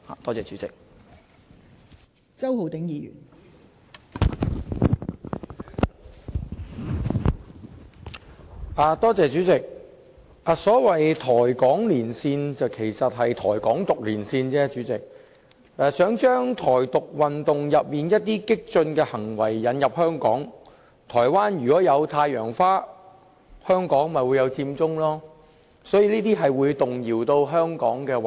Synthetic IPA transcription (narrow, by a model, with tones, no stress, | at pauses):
ha̰˨˩t̪ɔː˥t͡sɛː˨t͡ʃyː˨˥t͡sɪ̰˨k̚ | t͡sɐ˥who˨˧wt̪ɪ˨˥ŋjiː˨˧jy̰ː˨˩n | ʔaː˨t̪ɔː˥t͡sɛː˨t͡ʃyː˨˥t͡sɪ˨k̚ | ʔaː˨sɔː˨˥wɐ˨jt̪ʰɔː˨˩jkɔː˨˥ŋliː˨˩nsiː˧nt͡sɐ˨wkʰe˨˩jsɐ˨t̚ɦɐ˨jt̪ʰɔː˨˩jkɔː˨˥ŋt̪ʊ˨k̚liː˨˩nsiː˧nt͡sɛː˥t͡ʃyː˨˥t͡sɪ˨k̚ | ʔɛː˨sœː˨˥ŋt͡ʃœː˥ŋt̪ʰɔː˨˩jt̪ʊ˨k̚wɐ˨nt̪ʊ˨ŋjɐ˨p̚miː˨˩njɐ˥t̚t̪iː˥kɪ˥k̚t͡ʃɵ˧nkɛː˧hɐ˨˩ŋwɐ˨˩jːɐ˨˥njɐ˨p̚hœː˥ŋkɔ̰ː˨˥ŋ | t̪ʰɔː˨˩jwaː˥njyː˨˩kɔː˨˥jɐ˨˧wt̪ʰaː˧jœː˨˩ŋfaː˥ | hœː˥ŋkɔː˨˥ŋmɐ˨jwu˨˧jɐ˨˧wt͡siː˧mt͡sʊ˥ŋlɔː˥ | sɔː˨˥jiː˧liː˥t̪iː˥ɦɐ˨jwuː˨˧jt̪ʊ˨ŋjiː˨˩wt̪o˧wɦœː˥ŋkɔː˨˥ŋkɛː˧w